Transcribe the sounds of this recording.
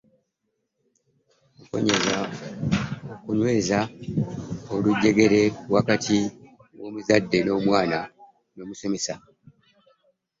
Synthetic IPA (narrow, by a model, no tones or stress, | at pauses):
muko̞̰ɲe̞za | okuɲwe̞ːza | oluɟːe̞ɡe̞ɾe̞wakatʰi | wo̞ːmuzadːe̞no̞ːmwaːna | no̞ːmuse̞me̞sa